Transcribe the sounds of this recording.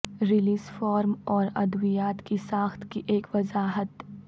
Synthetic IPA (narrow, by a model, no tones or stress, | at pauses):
ɾɪliːzfɔːɾmɔːɾɐd̪ʋijaːt̪kisãːxt̪ʰkiʔeːkʋɐzaːɦət̪